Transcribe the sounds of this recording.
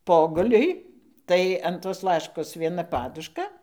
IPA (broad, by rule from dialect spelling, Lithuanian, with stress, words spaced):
ˈpoːɡʊlʲʊɪ ˈtɐɪ ɐn toːs ˈlˠɑːʃkoːs ʋʲiɛˈnɐ ˈpɑːdʊʃkɐ